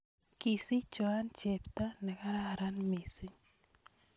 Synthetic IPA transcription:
ki˨si˦t͡ʃoa˦nt͡ʃe˨pt̪a˦na˨ka˦ɾaɾanmi˨si˦ɲ

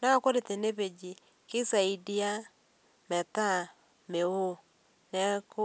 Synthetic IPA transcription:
na˦ko˦ɾe˨te˨ne˦βe˨d͡ʒi˨ | ki˦sa˨i˨di˦a˦ | mɛ˨ta˦ | me˨o˦ | nɛ˦ko˦

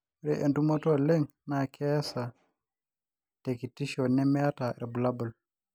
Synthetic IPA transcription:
ɾɛʔḛ˨nduma˦tɔ˦lɛ˦ŋ | nakʰɛ˦sa | te˨ki˨ti˦ʃɔ˨nɛ˦mɛ˦a˦ta˨ɾɛ˨bu˨la˦bu˨l

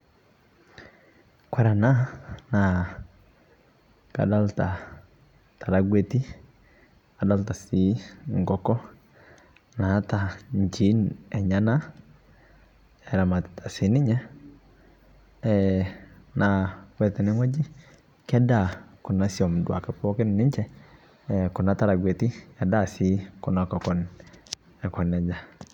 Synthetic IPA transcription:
kwɛ˦ɾa˨na˦na˨ | ka̰˨da˦lta˨ | ta˨ɾaɡwe˦ti˦ | ka˨da˦lta˨si˦ŋɡɔ˦kɔ˦ | na˨˦ta˨ɲ˨d͡ʒi˨˦nɛ˨ɲa˦na˦ | ɛ˨ɾa˨ma˨tɪ̥tḁ˨sɪ˨˦nɪ˦ɲa˦ | ɛ | nʔa˨wɛ˨t̪ɛ˨nɪ˦ŋɔ˦d͡ʒɪ˦ | kɛ˦da˨kʊ˨na˦sjɔ˨mdwa̰˨kɛpɔ˦kɪ˦nnɪ˦ɲt͡ʃɛ˦˨ | kʊ˨na˦ta˦ɾa˨ɡwe˨ti˦a˨da˦˨si˨˦kʊ˨na˨kɔ˨kɔ˨n | ɛ˨kɔ˨nɛ˨d͡ʒa˨

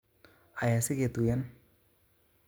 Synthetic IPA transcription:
a˨ja˨si˦ke˨t̪u˨ja˦n

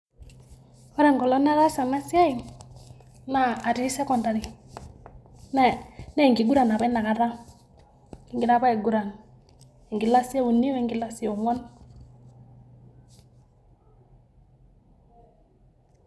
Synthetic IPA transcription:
ɔ˦ɾɛ˨ŋɡɔ˨lɔ˦na˦ɾa˦sa˨na˦si˦a˦i˨ŋ | naː˦˨ti˦sɛ˦kɔ˨nda˨ɾi˨ | nɛ˦˨nɛ˦˨ŋɡi˨ɡu˦ɾa˨na˨pa˦na˨ka˨ɾa˦ | i˨ŋɡi˦ɾa˦pa˦ɛ˨ɡu˨ɾa˨n | i˨ŋɡi˨la˦si˦a˦u˨ni˦wɛ˨ŋɡi˦la˦si˦o˨ŋɔ˦n

